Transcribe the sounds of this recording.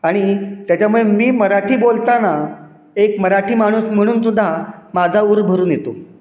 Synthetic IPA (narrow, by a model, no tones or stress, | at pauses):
aɽ̃it̪jat͡ɕamuɭemiːməɾaʈʰiːbolt̪ana | ekməɾaʈʰiːmaɽ̃uːsm̤əɽ̃uːnsud̪ʱːamad͡zʱauɾbʱəɾuːnjet̪o